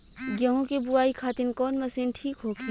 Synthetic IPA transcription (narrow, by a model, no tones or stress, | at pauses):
ɡjɐɦõkebʊaːikʰaːt̪ɪnkɔːnmɐsiːnʈʰiːkɦoːɡiː